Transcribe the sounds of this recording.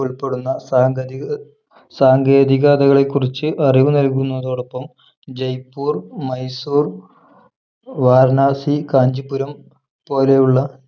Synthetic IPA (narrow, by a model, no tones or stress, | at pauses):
uɭpːe̞ɽunːɐaː | saːŋɡe̞ːd̪iɣaːd̪ɐɣɐɭe̞kːurit͡ɕːɨʔɐriʋunɐlk̬ːunːɐðo̞ːɽɐpːɐm | d͡ʑɐjpːuːrmɐjsuːr | ʋaːɾnaːsikaːɲd͡ʑipːuɾɐm | po̞ːle̞juɭːɐ